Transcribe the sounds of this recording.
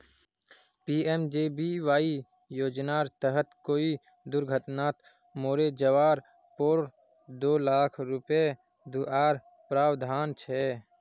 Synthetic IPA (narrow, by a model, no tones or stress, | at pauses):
piːemd͡ʒeːbiʋaːi | joːd͡ʒnaːɾt̪əɦət̪koːi | d̪ʊɾɡʱət̪naːt̪ | moːɾed͡ʒəʋaːɾ | poːɾ | d̪oːlaːkʰɾʊpe | d̪uʔaːɾ | pɾaːwd̪ʱaːnt͡ʃʰɛ